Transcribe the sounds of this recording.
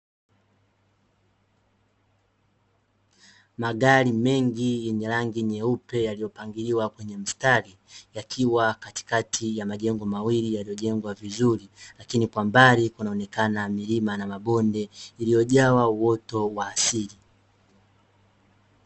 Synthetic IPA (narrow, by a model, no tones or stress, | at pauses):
maɠaɾimɛŋɡijɛɲɛɾaŋɡiɲɛupɛjalijɔpaŋɡiɾiwakwɛɲɛm̩stali | jakʰiwakati̥katʰijamaʄɛŋɡɔmawilijalijɔʄɛŋɡwavizuɾilakinikwambaɾikunaɔnɛkanamilimanamaɓɔndɛilijɔʄawauwɔtɔwaːsili